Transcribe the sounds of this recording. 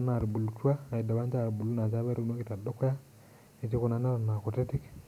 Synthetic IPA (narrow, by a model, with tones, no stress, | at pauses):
na˨ɾbu˨lu˨tu˦a˦a˨i˨dɔ˨βa˦nd͡ʒa˦˨ɾbu˨lu˦na˨t͡ʃa˦βɛ˦ɾo˦no˦kɪ˨ta˨dʊ˦kɔ˦ja˦ | i˨ti˦ko˦˨na˨na˦ɾa˨n˨a˨ko˨te˦tɪ˦k